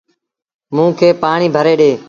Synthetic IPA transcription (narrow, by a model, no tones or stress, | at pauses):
mũːkʰeːpaːɳiːbʱəɾeːɗeː